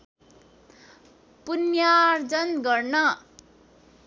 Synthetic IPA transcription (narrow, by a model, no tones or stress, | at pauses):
punjaɾd͡zʌnɡʌrnʌ